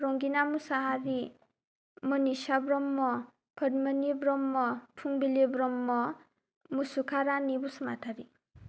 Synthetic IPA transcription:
ɾɔŋɡinamusaɦaɾi | mʌnisabɾɔmːɔ | kʰʌdmʌnibɾɔmːɔpʰuŋbilebɾɔmːɔ | musukʰaɾanibusmatʰaɾi

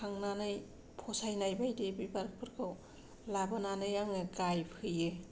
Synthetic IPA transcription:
kʰaŋnanɯj | pʰɔsajnajbajdebibaɾk̚pʰɯɾkʰɯw | labɯnanɯjaŋɯɡajpʰɯje

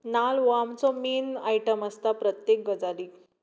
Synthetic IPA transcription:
nalʋamt͡sɔmiːnaiʈəməst̪apɾət̪jek̚ɡəd͡zali

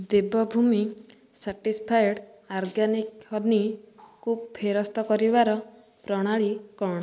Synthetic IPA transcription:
d̪ebɔbʱumi | saʈispʰajɽ | aɾɡanikɔnikupʰeɾɔst̪ɔkɔɾibaɾɔ | pɾɔɽ̃aɭikɔɽ̃ɔ

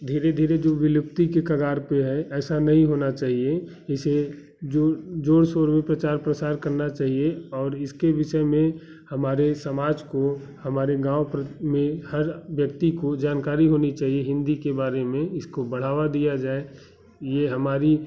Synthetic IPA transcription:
d̪ʱiːɾed̪ʱiːɾed͡ʒoːʋɪlʊp̚t̪ikekɐɡaːɾpeɦɛʔɛːsanɐɦĩɦoːnat͡ʃaːɦie | ɪse | d͡ʒod͡ʒoːɽsoːɾmẽpɾət͡ʃaːɾpɾəsaːɾkəɾnat͡ʃaːɦieɔːɾɪskeʋɪʃəemẽ | hɐmaːɾesəmaːd͡ʒko | hɐmaːɾeɡãːʊpɾəmẽhəɾʋjəkt̪ikod͡ʒaːnkaːɾiɦoːnit͡ʃaːɦieɦɪ̃nd̪ikebaːɾemẽɪskobəɽ̤aːʋad̪ijad͡ʒaːe | jeɦɐmaːɾi

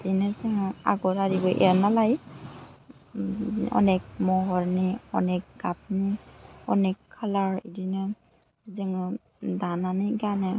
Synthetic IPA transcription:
dinɯzɯŋa̰ɡɔtaɾibɔʔɛnalaj | ɔ̰nɛk̚mɔɦɔɾniɔ̰nɛk̚ɡ̥ap̚niɔnɛkʰːalaɹidinɯ | zɯŋɯ | dananɯɡanɯ

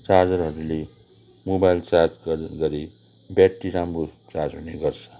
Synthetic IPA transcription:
t͡sard͡zʌrɦʌɾule | mobajlt͡sard͡zɡʌɡʌɾi | bjaʈːisambot͡sard͡zɦuneɡʌrt͡sʰʌ̥

